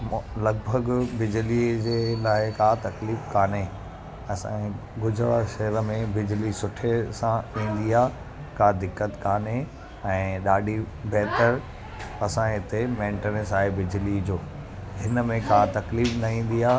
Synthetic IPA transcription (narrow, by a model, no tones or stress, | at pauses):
lɐɡ̚bʱəɡbɪd͡ʑlid͡ʑeːlaːɪkaːt̪ɐkliːfkaːne | ɐsã̰ | ɡʊd͡ʑʱəɽaʃɐɦəɾə̆mẽbɪd͡ʑlisʊʈʰesãĩːn̆d̪iaː | kaːd̪ɪkːət̪kaːne | ɛ̃ːɗaːɖʱi | bɛɦt̪əɾ | ɐsãɦɪt̪emẽːɳʈenesaːɦebɪd͡ʑlid͡ʑoː | ɦɪnəmẽkat̪ɐkliːfnɐĩːn̆d̪iaː